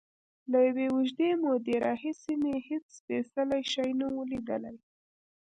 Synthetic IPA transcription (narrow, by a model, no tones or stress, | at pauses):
lajawewuʒd̪emod̪əɾɑɦisimehet͡sfesalajʃɑjnawəlid̪əla̰j